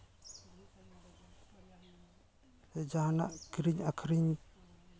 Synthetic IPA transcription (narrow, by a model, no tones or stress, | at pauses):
ɛd͡ʒana̰ʔɡ̥ɾiɲakʰɾiɲ